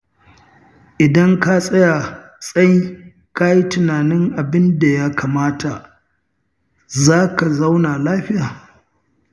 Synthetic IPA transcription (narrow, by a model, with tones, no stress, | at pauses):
ʔɪ˨dɐ˦ŋka˦sʼɐ˦ja˨ | sʼɐ˦ji˦ | ka˦ji˦tɪ˨naː˨nɪ˦ŋʔa˨bɪ˦nda˨ja˦kʰaː˨maː˦ta˨ | zaː˦ka˨za˦wna˨laː˦ɸɪ˦jaː˨